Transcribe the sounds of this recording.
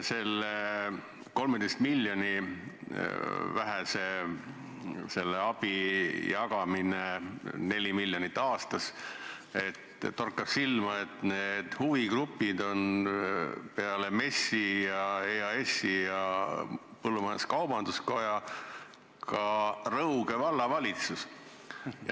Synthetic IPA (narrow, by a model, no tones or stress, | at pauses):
se̞lːe | ko̞lmed̪ejst̪milʲːjonʲi | væɦɛse | se̞lːeɑb̥ijɑɡ̥ɑminene̞lʲimilʲːjonit̪ˑːɑːst̪ɑs | e̞t̪ːt̪o̞rkːˑɑpsilmɑe̞t̪ned̪̥huviɡ̥rupːid̪o̞n | pe̞ɑle̞me̞sijɑeːɑe̞sːijɑ | pɤlːumɑeskɑwb̥ɑnd̪̥usko̞jɑ | kɑrɤwɡ̥e̞vɑlːɑvɑlʲit̪sus | j